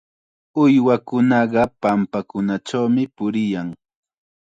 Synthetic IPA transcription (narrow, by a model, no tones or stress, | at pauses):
ʊjwakʊnɑɢɑpampakʊnat͡ʃawmɪpʊɾɪjaŋ